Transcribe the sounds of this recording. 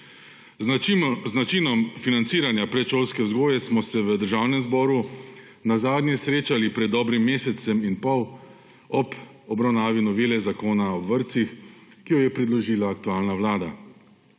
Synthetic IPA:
zat͡ʃinɔmfinant̪siːɾanjapɾɛt̪ʃoːlskɛwzɡoːjɛsmɔsɛʋəd̪əɾʒaːwnɛmzbɔːɾu | nazaːd̪njɛsɾeːt͡ʃalipɾɛd̪ːɔːbɾimːeːsɛsɛminpɔw | ɔb | ɔbɾawnaːʋinɔʋiːlɛzakoːnaɔʋəɾt̪sixkijɔjɛpɾid̪lɔʒiːlaːk̚t̪uaːlnaʋlaːd̪a

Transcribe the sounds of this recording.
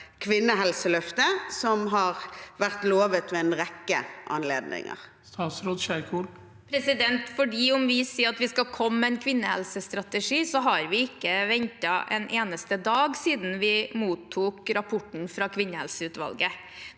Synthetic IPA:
kʰʋɪnːəɦɛlsəlœft̪əsɔmɦɑʁʋæɾt̪loːʋət̪mɛɛnʁɛkːə̰ʔɑ̰nleːd̪nɪ̰ŋə̰ɾ | st̪ʰɑːt̪sɾoːd̪ʃæɪkʰuːl | pʰɾɛsɪd̪ɛnt̪fɔɖiːɔmʋɪsiːɑt̪ʋɪskɑlkʰɔmːəɛnkʰʋɪnːəhɛ̰lsəst̪ɾɑt̪əʂiːsɔɦɑɾʋɪɪkːəʋɛɲt̪ɑʔɛnʔeːnəst̪əd̪ɑːɡsiːd̪n̩ʋɪmuːt̪ʰːuːkɾɑpʰʊʈɳ̩fɾɑkʰʋɪnːəhɛlsəʉːt̪ʋɑ̰lɡə

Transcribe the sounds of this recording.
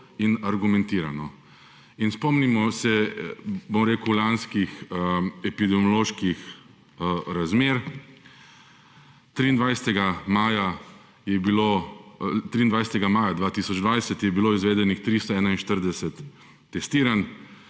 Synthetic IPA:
inaɾɡumɛ̃nt̪iːɾanɔ | inspɔmnimɔsɛ | bomɾeːkulanskixɛpid̪ɛmjɔloːʃkix | ɾazmeːɾ | t̪ɾiːnd̪ʋajsɛt̪ɛɡamaːja | jɛbilo | t̪ɾiːnd̪ʋajsɛt̪ɛɡamaːjad̪ʋaːt̪isɔd͡ʒd̪ʋajsɛt̪jɛbiloːizʋeːd̪ɛnixt̪ɾist̪ɔɛːnainʃt̪əɾd̪ɛsɛt̪ː | ɛst̪iːɾan

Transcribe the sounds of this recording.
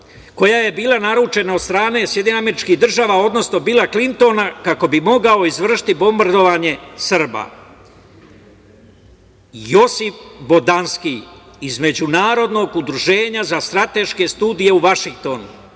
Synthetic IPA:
ko̞jaje̞biːlˠanaɾut͡ʃe̞naod̪st̪ɾaːne̞sjed̪ɲeneame̞ɾit͡ʃkiɦd̪r̩ʒaːʋao̞d̪no̞sno̞biːlˠaklint̪o̞nakako̞bimo̞ɡao̞izʋr̩ʃi̥t̪ibo̞mbaɾd̪o̞ʋaːɲe̞srba̰ | jo̞sifbo̞d̪anski | izme̞d͡ʑunaːɾo̞d̪no̞ɡud̪ɾuʒe̞ːɲazast̪ɾat̪e̞ʃke̞st̪uːd̪ije̞uʋaʃiŋk̚t̪o̞nṵ

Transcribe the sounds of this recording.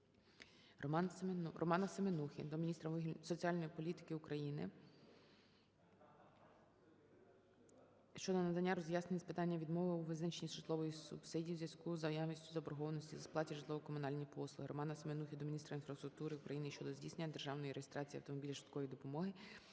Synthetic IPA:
rɔ̰mɑnɐsemenuxʲid̪ɔmʲinʲist̪ɾɐsɔt͡sʲiɑlʲnɔjipɔlʲit̪ɪ̥kɪʊkɾɐjinɪ̰ | ʃt͡ʃɔd̪ɔnɐd̪ɐnʲːaɾɔzʲjasnenʲispɪt̪ɑnʲːɐʋʲid̪mɔʋɪuʋɪznɛt͡ʃenʲisʃɪt̪lˠɔʋɔjisʊ̰bsɪdʲiwzʲjɐskuzɐjaʋnʲisʲtʲʊzɐɔbɾɐɦɔʋɐnɔsʲtʲizɐsplˠɑtʲiʒɪtlˠɔʋɔkɔmʊnɑlʲnʲipɔslˠʊɦɪɾɔ̰mɑnɐsemenuxʲid̪ɔmʲinʲist̪ɾɐinfɾɐst̪ɾʊk̚t̪uɾɪʊkɾɐjinɪʃt͡ʃɔd̪ɔzʲdʲisnenːɐd̪erʒɑwnɔjiɾejest̪ɾɑt͡sʲiɐwt̪ɔmɔbʲilʲiʃɪt̪kɔʋid̪ɔpɔmɔɦɪ

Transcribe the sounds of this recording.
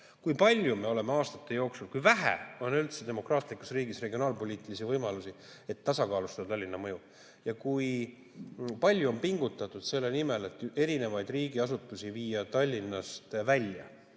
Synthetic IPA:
kujpɑlʲjume̞o̞le̞me̞ɑːst̪ɑt̪ːˑe̞jo̞ːksulkujvæɦæ̰o̞nylt̪se̞d̪e̞mo̞krɑːt̪ˑlikːusriːɡisre̞ɡio̞ɑːlpo̞lʲiːt̪ilisivɤjmɑlusi | e̞t̪ːɑsɑkɑːlust̪ɑd̪t̪ɑlʲːinːɑmɤju | jɑkuj | pɑlʲjuo̞mpiŋɡ̥ut̪ːˑɑt̪ːˑud̪̥se̞lːenime̞le̞t̪ːˑe̞ɾine̞vɑjd̪̥riːɡiɑsut̪ːˑusiviːɑt̪ɑlʲːinːɑst̪vælʲjɑ̰

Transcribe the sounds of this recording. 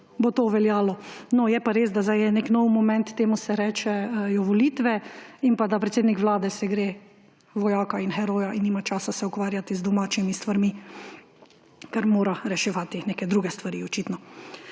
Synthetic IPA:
bot̪oːʋɛljaːlɔnɔjɛpaɾeːzd̪azajɛneknɔwmɔmɛ̃nt̪ːeːmusɛɾɛːt͡ʃɛjɔʋɔliːt̪ʋɛinpad̪apɾɛt̪seːd̪nikʋlaːd̪ɛsɛɡɾeː | ʋɔjaːkainxɛɾoːjaʔinːiːmat͡ʃaːsasɛukʋaːɾjat̪izd̪ɔmaːt͡ʃimist̪ʋaɾmi | kaɾmoːɾaɾɛʃɛʋaːt̪ineːkɛd̪ɾuːɡɛst̪ʋaɾiɔt͡ʃiːt̪nɔ

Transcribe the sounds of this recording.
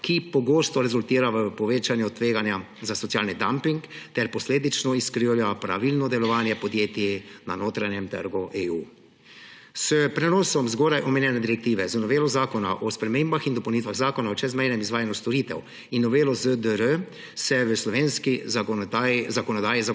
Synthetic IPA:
kipɔɡoːst̪ɔɾɛzult̪iːɾaʋəpɔʋeːt͡ʃanjut̪ʋeːɡanja | zasɔtsijaːlnid̪ampiŋkt̪ɛɾpɔsleːd̪it͡ʃnɔiskɾiwljapɾa̰ʋilnɔd̪ɛlɔʋaːnjɛpɔd̪jeːt̪ina̰noːt̪ɾanjɛmt̪ə̰ɾɡuʔeuː | səpɾɛnɔːsɔmzɡoːɾajʔɔmɛnjɛːnɛd̪iɾɛk̚t̪iːʋɛzənɔʋeːlɔzaːkɔna̰ʔɔspɾɛmeːmbaxind̪ɔpəwnit̪ʋaɣzaːkɔnaɔt͡ʃɛzmɛjnɛmizʋaːjanjust̪ɔɾiːt̪ɛ̰w | inːɔʋeːlɔzəd̪əɾə | sɛʋəslɔʋeːnski | zakɔnɔd̪aːjiza

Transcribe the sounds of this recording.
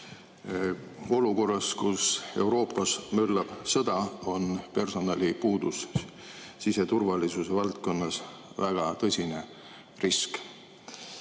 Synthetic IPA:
o̞luko̞rːɑskuse̞̰uwɾo̞ːpːˑɑsmølːɑb̥sɤd̪̥ɑo̞npe̞rso̞nɑlʲipuːd̪̥us | sise̞t̪urvɑlisuse̞vɑlt̪̚ko̞nːɑsvæɡ̥ɑt̪ɤsʲine̞ | risk

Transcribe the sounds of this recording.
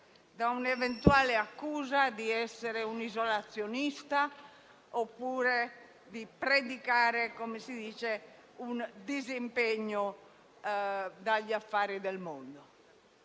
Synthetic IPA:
d̪aunɛvɛnt̪uaːleakːuːzad̪iɛsːeɾeunizolat̪sːjonist̪a | opːuːɾe | d̪ipɾed̪ikaːɾekomesid̪iːt͡ʃe | und̪izimpeɲːo | d̪aʎːafːaːɾid̪ɛlmond̪o

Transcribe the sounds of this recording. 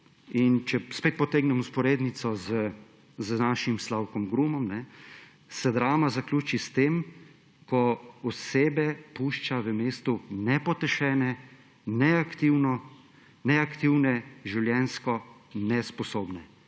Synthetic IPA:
int͡ʃɛspeːt̪̚pɔt̪eːɡnɛmuspɔɾeːd̪nit̪sɔzə | znaːʃimslawkɔmɡɾuːmɔmnɛ | sɛd̪ɾaːmazaklʲuːt͡ʃist̪eːm | kɔɔseːbɛpuʃt͡ʃaʋəmeːst̪unɛpɔt̪ɛʃɛːnɛ | nɛakt̪iwnɔ | nɛakt̪iwnɛʒiwljɛːnskɔnɛspɔsoːbnɛ

